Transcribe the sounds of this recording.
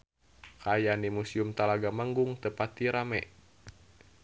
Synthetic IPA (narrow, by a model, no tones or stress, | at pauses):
kajanimusiumt̪alaɡamaŋɡuŋt̪əpat̪iɾamɛʔ